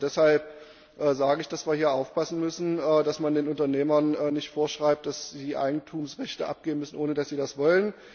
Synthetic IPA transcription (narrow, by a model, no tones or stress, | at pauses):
d̥ɛshalp | ʔɛːzaːɡəɪçd̥asv̥iːɐhiːɐʔaʊfpʰasn̩mʏsn̩ɛːd̥asmandeːnʊntɐneːmɐnɛːnɪçtfoːɐʃʁ̥aɪp̚t̚d̥asz̥iːʔa̰ɪɡŋ̩tʰuːmsʁɛçtəʔa̰p̚ɡ̥eːbn̩mʏsn̩ʔoːnədasz̥iːdasv̥ɔlən